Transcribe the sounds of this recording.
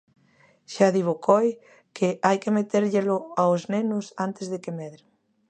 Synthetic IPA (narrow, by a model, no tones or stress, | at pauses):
ʃaðiβokoj | keajkemet̪eɾʎelʊaoznenʊsant̪ɪzðekemeðɾ